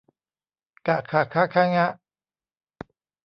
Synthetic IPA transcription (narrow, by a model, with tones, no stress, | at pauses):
ka˨kʰa˨˩kʰa˦˥kʰa˦˥ŋa˦˥ʔ